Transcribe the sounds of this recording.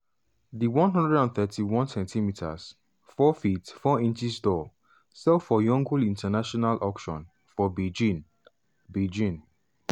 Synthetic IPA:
diwɔ̃nɦɔ̃ndɹɛdãnθɛtʰiwɔ̃nsɛ̃ntʰimitʰa̰s | fɔfitfɔĩnt͡ʃisdɔ | sɛlfɔjɔ̃ŋɡulĩntʰanaʃɔnalʔɔkʃɔ̃n | fɔbed͡ʒĩn | bed͡ʒĩn

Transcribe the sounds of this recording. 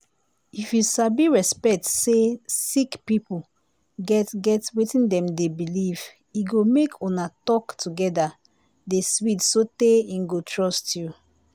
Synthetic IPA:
ifjusabiɹɛspɛk̚tsesikpipu | ɡɛtɡɛtwetĩndɛ̃mdebiliv | iɡomekʰɔnatɔktuɡɛda | deswitsoteĩnɡotʰɹɔstʰju

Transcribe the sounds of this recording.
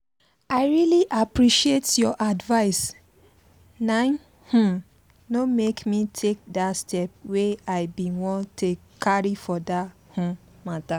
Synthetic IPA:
aɪɹiliʔapɹiʃietjɔʔadvaɪs | nãn | hũm | nomekmitʰek̚dastʰɛp̚weaɪbĩnwɔ̃nte | kʰaɹifɔdahũm | mata

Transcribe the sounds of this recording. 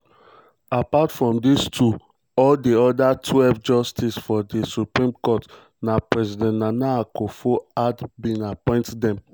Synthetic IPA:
apatfɹɔ̃mdistʰu | ɔldeɔdatʰwɛlvd͡ʒɔstʰisfɔdisupɹĩmkɔt | napɹɛzidɛ̃ntnanaakofoadbĩnapɔ̃ɪ̃ntdɛ̃m

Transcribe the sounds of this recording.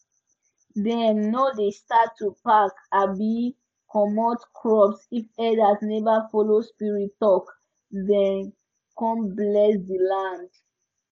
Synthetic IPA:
dɛ̃nːodestatʰːupakabi | kʰɔmotkʰɹɔpsifɛdasnɛvafɔlospiɹitɔk | dɛ̃n | kɔ̃mblɛsdilãnd

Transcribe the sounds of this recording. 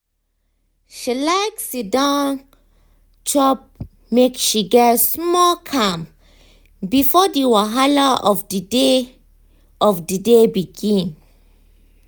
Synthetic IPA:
ʃilaɪksidãn | t͡ʃʰɔp̚ | mekʃiɡɛtsmɔlkʰãm | bifɔdiwaɦalaɔfdde | ɔfdidebiɡĩn

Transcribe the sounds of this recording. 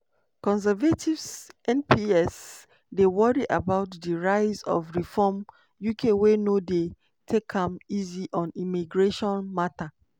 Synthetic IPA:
kɔ̃nsɛvatʰivsɛ̃npʰiɛs | dewɔɹiʔabaʊtdiɹaɪzɔ̰vɹifɔm | jukʰewenode | tʰekʰãmiziʔɔ̃nimiɡɹeʃɔ̃nmata

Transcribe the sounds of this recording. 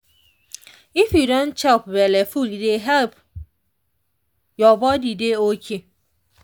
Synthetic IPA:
ifjudɔ̃nt͡ʃɛlp̚bɛlefuldeɦɛlp | jɔbɔdideokʰe

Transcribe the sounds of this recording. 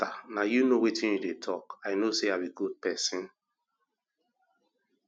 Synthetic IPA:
tanajunowitĩnjudetʰɔkaɪnoseabiɡud̚pɛsĩn

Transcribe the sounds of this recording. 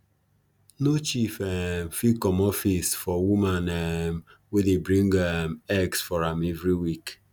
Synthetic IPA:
not͡ʃifɛm̩fikɔmɔfisfɔwumanɛmwedebɾĩŋɡɛmɛksfɔɾamɛvɾiwik

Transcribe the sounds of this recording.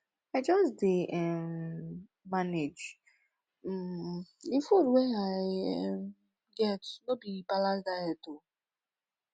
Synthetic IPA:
aɪd͡ʒɔsdeɛmː | aned͡ʒ | ifoɾweaɪm | ɡɛtnobibalasdaɛto

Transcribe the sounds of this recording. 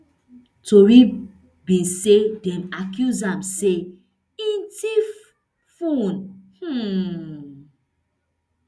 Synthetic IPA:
towi | bĩnsedɛ̃nakjuzãmse | ĩntif | fũnh̩

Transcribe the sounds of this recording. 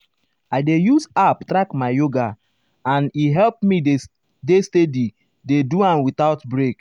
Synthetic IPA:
aɪdejusaptɾakmaɪjoɡa | ãniɦɛlpmi | destedi | deduãmwitaʊtbɹek

